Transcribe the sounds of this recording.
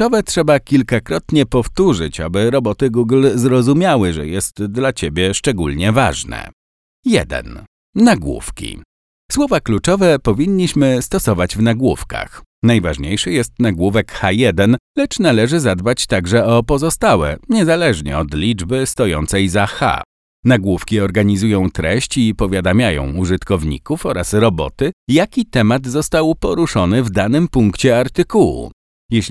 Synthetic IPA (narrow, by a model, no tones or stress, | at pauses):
ɔvɛtʂɛbakʲilkakɾɔt̪ɲɛpɔft̪uʐɘt͡ɕa̰bɘɾɔbɔt̪ɘɡuɡlzɾɔzumʲawɘʐɛ̰jɛst̪d̪lat͡ɕebʲjɛʂt͡ʂɛɡulɲɛva̰ʐnɛ̰ | jɛ̰d̪ɛ̰nː | aɡwṵfkʲḭ | swɔvaklut͡ʂɔvɛpɔvʲiɲːiɕmɘst̪ɔsɔvad͡ʑvnaɡwufka̰xnajvaʐɲejʂɘjɛst̪naɡwuvɛkxajɛd̪ɛnlɛt͡ʂnalɛʐɘzad̪bat͡ɕt̪aɡʐɛɔpɔzɔst̪awɛ̰ɲɛzalɛʐɲɛ̰ɔd̪lʲid͡ʐbɘst̪ɔjɔ̰nt̪sɛjzaxa̰ | naɡwufkʲiɔɾɡaɲizujɔ̃w̃t̪ɾɛɕt͡ɕipɔvʲjad̪amʲjajɔ̰̃w̃uʐɘt̪kɔvɲḭkufɔɾasɾɔbɔ̰t̪ɘjakʲit̪ɛmad̪zɔst̪awpɔɾuʂɔnɘvd̪anɘmpuŋkt͡ɕɛaɾt̪ɘkuwṵ | jɛɕʲ